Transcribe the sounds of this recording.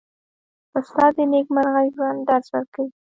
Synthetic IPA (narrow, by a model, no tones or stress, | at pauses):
paslɑd̪əneɡmaɾɣajɡɾɑnd̪aɾzwaɾkawi